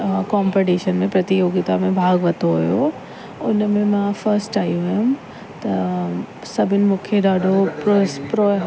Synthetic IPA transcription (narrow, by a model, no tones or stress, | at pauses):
kɔːmpeʈiːʃənmẽpɾɐt̪ijoːɡɪt̪amẽbʱaːɡʋɐt̪ʰoɦʊ̰jo | ʊnmẽmãfɐɾsʈaːijũʋɐjʊ̃ | t̪ɐ | sɐbʱɪnɪ̆mũːkʰeɗaːɖʱopɾopɾo